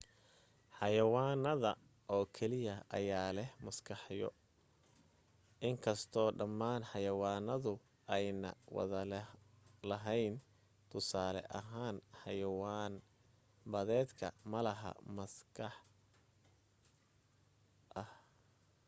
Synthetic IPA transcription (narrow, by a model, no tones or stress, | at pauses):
ħɑjɐwaːnɐðɐ | ʔɔːkʰɛlɪjɐʔɐ̰jaːlɛhmɐskʰɑħjɔ̰ | ʔɪŋkʰɐst̪ʰɔːɖɐmːaːnħɑjɐwaːnɐðʊ | ɛjnɐ̰wɑ̰ðɐl | lɐɦɛjn | t̪ʰʊsaːlɛ̰ʔɐɦaːnħɑjɐwaːn | bɐðɛːd̪kʰɐ̰mɐlɐɦɐ̰mɐskʰɐħ | ʔɐh